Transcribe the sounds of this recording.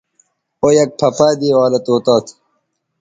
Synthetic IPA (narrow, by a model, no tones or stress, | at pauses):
ojɐk̚pʰɐpaːd̪iːwaːlɐt̪oːt̪aːt̪ʰ